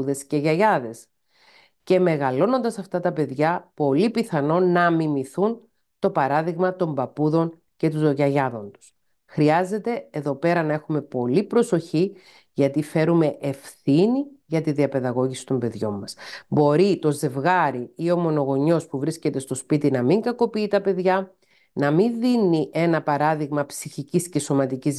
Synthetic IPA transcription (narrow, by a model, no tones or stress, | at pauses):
uðe̞sce̞ʝɐʝɐðe̞s | ce̞me̞ɣɐlo̞no̞nd̪ɐsɐft̪ɐt̪ɐpe̞ðʝɐpo̞lipiθɐno̞nɐmimiθun | t̪o̞pɐɾɐðiɣmɐt̪o̞mbɐpuðo̞ŋ | ce̞t̪uzoʝɐʝɐðo̞nt̪u̥s | xɾiɐze̞t̪e̞eðo̞pe̞ɾɐnɐe̞xume̞po̞lipɾo̞so̞çi | ʝɐt̪ife̞ɾume̞ʔefθiniʝɐt̪iðiɐpe̞ðɐɣo̞ʝisi̥t̪o̞mbe̞ðʝo̞̰mːɐsbo̞ɾit̪o̞ze̞vɣɐɾiio̞mo̞no̞ɣo̞ɲo̞spuvɾisce̞t̪e̞st̪o̞spit̪inɐmiŋɡɐko̞piit̪ɐpe̞ðʝɐ | nɐminðiniʔe̞nɐpɐɾɐðiɣmɐpsiçicisce̞so̞mɐt̪iciz